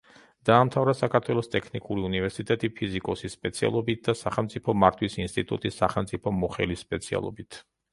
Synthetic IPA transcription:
d̪̥aːmt̪ʰavɾasakʰaɾt̪ʰwɛlˠɔst̪ʼɛkʰnikʼuɾiunivɛɾsit̪ʼɛt̪ʼipʰizikʼɔsispʼɛt̪sʰia̰lˠɔbit̪̚d̪asaχɛlˠmt̪sʼipʰɔmaɾt̪ʰwisinst̪ʼit̪ʼṵt̪ʼisːaχɛlˠmt̪sʼipʰɔmɔχɛlisːpʼɛt̪sʰia̰lˠɔ̰bit̪ʰ

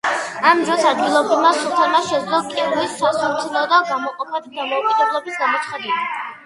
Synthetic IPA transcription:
amd̪ɾɔsad̪ɡilˠɔbɾivmasut̪ʰɛmaʃɛd̪zlɔkʼɛɾlisɔsɔmt̪ʰunaɔd̪aɡamɔqʼɔpʰɛd̪d̪amɔukʼid̪ɛblˠɔbisɡamɔt̪ʰχad̪i

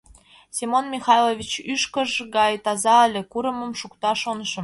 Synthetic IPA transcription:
sʲimonmʲixɑjlˠovʲit͡ɕyʃkə̆ʒɣɑjt̪ɑzɑə̆lʲĕkuɾə̆mə̆mʃukt̪ɑʃonəʃə̆m

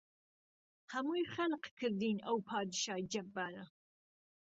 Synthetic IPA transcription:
hɐmuːjχɐnqkʰɨɾd̪iːnɐwpʰɑːd̪ɨʃɑːjd͡ʒɐbːaːɾɐ

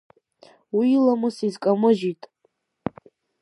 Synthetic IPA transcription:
wiːlamɨsizkʼamɨʒitʼ

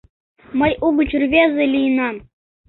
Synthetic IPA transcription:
mɤ̆juɡut͡ɕurʲvʲezʲɘ̆lʲijnɑm

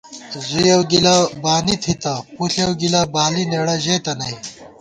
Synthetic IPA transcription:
zujɐwɡilɐbaːnit̪ʰit̪ɐpuɬɐwɡilɐbaːlineɽɐʑeːt̪ɐnɐj

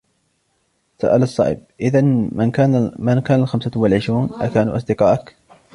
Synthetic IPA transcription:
sa̰ʔalɑsˤːɑ̰ːʕʔɪ̰b̚ʔɪðanmanamankaːnalxamsawalʕɪʃɾuːnʔa̰kaːnṵʔɑsˤd̪ɪqɑːʔak

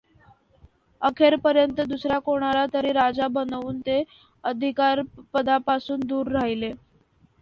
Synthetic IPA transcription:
əkʰeɾpəɾjənt̪əd̪usɾjakoɽ̃aɾat̪əɾiːɾad͡zabənʋuːnt̪e | əd̪ʱikaɾpəd̪apasuːnd̪uːɾːaɦile

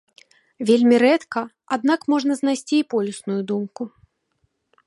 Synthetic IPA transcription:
vʲelʲmʲiɾɛt̪kɐ | ad̪nakmɔʐnɐzn̪ajsʲt͡sʲiːpɔlʲʊsnujud̪umku

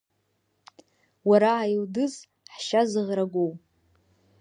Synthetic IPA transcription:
waɾaːjldɨz | ħʃazɨʁraɡʷow

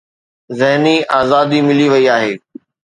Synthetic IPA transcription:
zɛɦniʔaːzaːd̪imɪliʋɐiaːɦeː

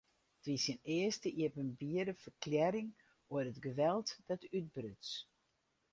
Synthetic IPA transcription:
tʋisinɪəstəʔiəpənbiədəfərkljɛɾɪŋ | oədətɡəʋɛlˠtd̥ɔtʰyt̚brøt͡s

